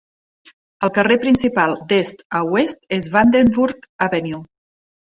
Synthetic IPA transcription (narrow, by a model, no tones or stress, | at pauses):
əlˠkərepɾinsipalˠd̪est̪əwest̪̚ezβand̪enbuɾkəβenju